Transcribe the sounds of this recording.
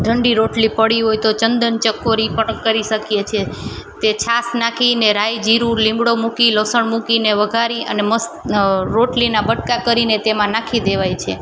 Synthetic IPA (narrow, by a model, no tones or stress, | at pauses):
ɖʱəɳɖiɾoʈlipəɽiɦojt̪ot͡ʃənd̪ənt͡ʃəkːoɾipəʈəkːəɾiʃəkjet͡ʃʰet̪et͡ʃʰasnakʰineɾajd͡ʒiɾũlĩmbɽomukiləsəɳmukineʋəɡʱaɾiʔə̰neməs | ɾoʈlinabəʈkakəɾinet̪emãnãkʰid̪eʋajt͡ʃʰe